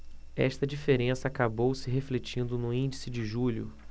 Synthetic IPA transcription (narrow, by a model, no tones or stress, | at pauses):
ɛ̰ʃt̪ɐd͡ʒifeɾẽsɐːkabowsɪɦeflet͡ʃĩnd̪ʊnʊ̃ĩnd͡ʒisɪd͡ʒɪʒuʎʊ̰